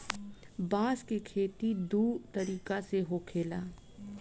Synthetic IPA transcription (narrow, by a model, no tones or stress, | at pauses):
baːskikʰeːt̪id̪uːt̪ɐɾiːkaseɦoːkʰeːlaː